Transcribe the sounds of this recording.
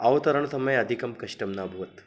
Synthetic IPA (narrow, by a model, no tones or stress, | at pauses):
ɐʋt̪ɐɾəɳ̃sɐmɐjɐd̪ʱikɐmkɐʂʈɐmnabʱuʋt̪